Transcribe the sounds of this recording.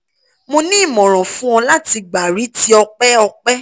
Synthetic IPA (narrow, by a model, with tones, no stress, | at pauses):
mõ˧nĩ˦˨mɔ̃˨ɾ̃ɔ̃˨fũ˦ɔ̃˧la˦ti˧ɡ͡ba˨ɾi˨˦ti˦ɔ˧k͡pɛ˦ɔ˧k͡pɛ˦